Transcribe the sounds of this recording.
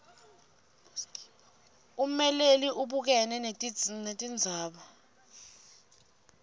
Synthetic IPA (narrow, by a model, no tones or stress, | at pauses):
umɛleliʔuɓuk̬ɛnɛnetʼinetʼind͡zʱaːɓa